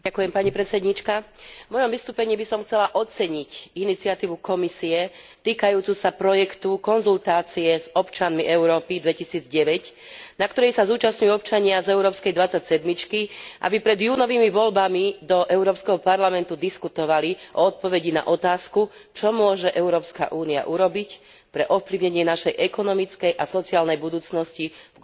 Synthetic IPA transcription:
ɟakujɛmpaɲipɾɛt̪t͡sɛd̪ɲit͡ʃkavmɔjɔmʋist̪uːpɛɲiːbisɔmxt͡sɛlaʔɔt͡sɛɲicinit͡siat̪iːʋukɔmisiɛt̪iːkajuːt͡susapɾɔjɛkt̪ukɔnzult̪aːt͡siɛzɔpt͡ʃanmiʔɛʊɾɔːpid̪ʋɛcisiːd͡zɟɛʋɛc | nakt̪ɔɾɛjsazuːt͡ʃasɲujuɔp̚t͡ʃaɲɪazɛʊɾɔːpskɛjd̪ʋat͡sːacsɛd̪mit͡ʃkiʔa̰bipɾɛd̪juːnɔʋiːmiʋɔlbamid̪ɔʔɛʊɾɔːpskɛɦɔpaɾlamɛnt̪ud̪iskut̪ɔʋaliʔɔɔt̪̚pɔʋɛɟina̰ʔɔt̪aːskut͡ʃɔmʊɔʒɛʔɛʊɾɔːpska̰ʔuːnia̰ʔuɾɔbic | pɾɛʔɔfpliʊɲɛɲɪɛnaʃɛjʔɛkɔnɔmit͡skɛjʔasɔt͡siaːlnɛjbud̪uːt͡snɔsci

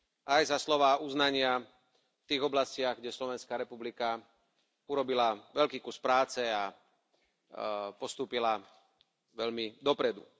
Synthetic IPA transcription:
ʔajzaslɔʋaːuznaɲɪa | ft̪iːɣɔblascɪaɣɡɟɛslɔʋɛnskaːɾɛpublika | uɾɔbilaʋɛʎkiːkuspɾaːt͡sɛa | pɔst̪uːpila | ʋɛlmid̪ɔpɾɛd̪ṵ

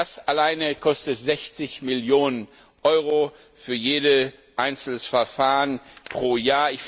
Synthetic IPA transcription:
asalaɪnəkʰɔstətzɛçt͡sɪçmɪljoːnən | ʔɔʏʁo | fyːɐjeːdə | ʔaɪnt͡sl̩sfɛɐfaːʁənpʁ̥oːjaːɐɪç

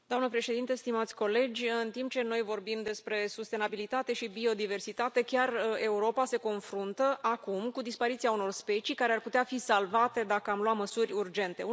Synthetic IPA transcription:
d̪oamnəpɾe̞ʃe̞d̪int̪est̪imat̪sʲko̞le̞d͡ʒʲɨnt̪imp̚t͡ʃe̞no̞jvo̞rbimd̪e̞spɾe̞sust̪e̞nabilit̪at̪e̞ʃibio̞d̪ive̞rsit̪at̪e̞kʲare̞uɾo̞pase̞ko̞nfɾunt̪əʔakumkud̪ispaɾit̪siauno̞rspe̞t͡ʃikaɾearput̪eafisalvat̪e̞d̪akəamlwatməsurʲurd͡ʒe̞nt̪e̞

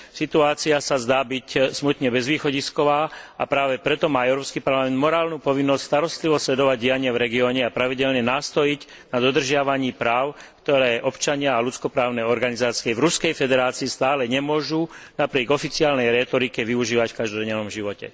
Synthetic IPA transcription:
sit̪uaːt͡siasazd̪aːbicsmut̪ɲɛbɛzʋiːxɔɟiskɔʋaːa̰pɾaːʋɛpɾɛt̪ɔmaːɛʊɾɔːpskipaɾlamɛnd̪mɔɾaːlnupɔʋinːɔscst̪aɾɔst̪liʋɔslɛd̪ɔʋaɟɟijaɲɪɛvɾɛɡiɔːɲɛapɾaʋiɟɛlɲɛnaːst̪ɔjic | nad̪ɔd̪r̩ʒɪaʋaɲiːpɾaːʊkt̪ɔɾɛːʔɔpt͡ʃaɲɪaalut͡skɔpɾaːʊnɛɔɾɡanizaːt͡siɛvɾuskɛjfɛd̪ɛɾaːt͡siːst̪aːlɛɲɛmʊɔʒunapɾɪɛːɡɔfit͡siaːlnɛjɾɛːt̪ɔɾikɛʋiuʒiːʋacfkaʒd̪ɔdɲɛnɔmʒiʋɔcɛ̰

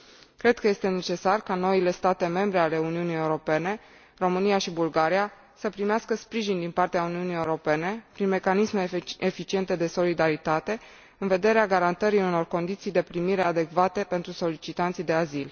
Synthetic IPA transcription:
kɾe̞d̪kəje̞st̪e̞ne̞t͡ʃe̞sarkano̞ile̞st̪at̪e̞me̞mbɾe̞ale̞uniunijeuɾo̞pe̞ne̞ | ro̞mɨnijaʃibulɡaɾia | səpɾimeaskəspɾiʒind̪inpart̪eauniunije̞uɾo̞pe̞ne̞pɾinme̞kanisme̞efit͡ʃie̞nt̪e̞d̪e̞so̞lid̪aɾit̪at̪e̞ | ɨnve̞d̪e̞ɾeaɡaɾant̪əɾiuno̞rko̞nd̪it̪sijd̪e̞pɾimiɾe̞ad̪e̞kvat̪e̞pent̪ɾuso̞lit͡ʃit̪ant̪sijd̪e̞azil

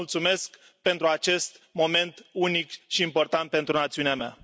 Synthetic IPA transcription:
ult̪sume̞sk | pe̞nt̪ɾuat͡ʃe̞st̪mo̞me̞nt̪unikʃiːmpo̞rt̪ant̪̚pe̞nt̪ɾunat̪siuneamea̰

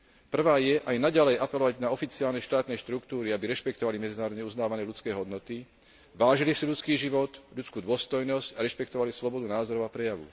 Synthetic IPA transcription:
pr̩ʋaːjɛʔajnaɟalɛjʔapɛlɔʋaɟnaɔfit͡siaːlnɛʃt̪aːt̪nɛjʃt̪ɾukt̪uːɾiabiɾɛʃpɛkt̪ɔʋalimɛd͡zinaːɾɔd̪ɲɛuznaːʋanɛːʎut͡skɛːɦɔd̪nɔt̪i | ʋaːʒilisiʎut͡skiːʒiʋɔt̪ʎut͡skuːd̪ʊɔst̪ɔjnɔscaɾɛʃpɛkt̪ɔʋalislɔbɔd̪unaːzɔɾɔʊapɾɛjaʋṵ

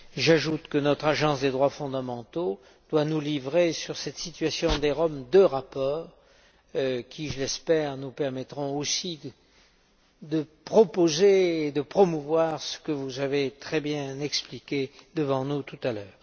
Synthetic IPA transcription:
ʒaʒut̪kənɔt̪χaʒɑ̃sd̪ed̪ʁwafɔ̃d̪amɑ̃t̪o | d̪̥wanulivʁesyʁsɛt̪sit̪ɥasjɔ̃d̪eʁɔmd̪əʁapɔːʁ | kʲiʒəlɛspɛʁnupɛʁmɛt̪ʁɔ̃osi | d̪əpχɔpozeːd̪əpχɔmuvwaʁsə̥kəvuzavet̪χɛbjɛ̃ɛksplikʲed̪əvɑ̃nut̪ut̪alœːʁ

